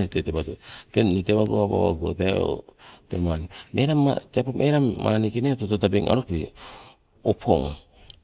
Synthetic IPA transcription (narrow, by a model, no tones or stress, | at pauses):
etetebatoteniteβaɡoaba̰βa̰ɡo̰teo̰temanimʔeɾamatepomʔeɾamːa̰ɾanikinetototabeŋʔa̰ɾopi | opʰo̰ŋ